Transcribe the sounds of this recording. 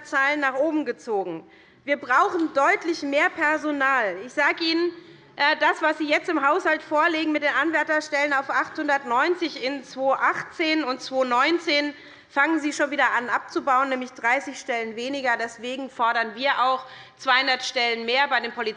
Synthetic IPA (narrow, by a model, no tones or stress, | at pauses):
t͡saːlənːaːχʔoːbm̩ɡət͡soːɡŋ̩ | viːɐbʁaʊxn̩dɔʏtʰlɪçmeːɐpʰɛɐzonaːlɪçz̥aːɡəʔiːnən | ʔɛdasv̥asz̥iːjɛt͡stɪmɦaʊshaltfoːɐleːɡŋ̩mɪt̚d̥eːnʔanvɛɐtɐʃtɛlənaʊfʔaχthʊndɐtnɔʏnt͡sɪçɪnt͡sv̥oːʔaχt͡seːnʊntt͡sv̥oːnɔʏnt͡seːn | faŋənziːʃoːnviːdɐʔanʔap̚t͡subaʊənːɛːmlɪçd̥ʁaɪsɪçʃtɛlənveːnɪɡɐdɛsv̥eːɡŋ̩fɔɐɾɐnviːɐʔaʊx | t͡sv̥aɪhʊndɐtʃtɛlənmeːɐbaɪdeːnpʰoli